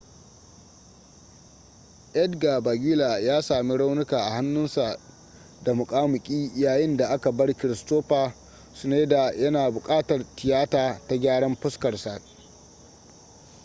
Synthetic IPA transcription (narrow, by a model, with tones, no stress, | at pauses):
ʔɛ˦dɡa˨ba˨ɡʲiː˦la˨jaː˦saː˨mi˦ɽa˦wnʊ˦kaː˨ʔa˨ha˦nːʊ˦nsa˨ | da˨mʊ˨kʼaː˦mʊ˨kʲʼiː˦jaː˨jɪ˦nda˨ʔa˦ka˨bɐ˦rkʲɪ˨ɾɪ˨stoː˦ɸaː˨ | sʊ˨neː˦da˨jɐ˦naː˨bʊ˨kʼaː˦tɐ˨rtɪ˨jaː˦taː˨ta˦ɡʲaː˦ɽɐ˦mɸʊ˦skɐ˨rsa˦˨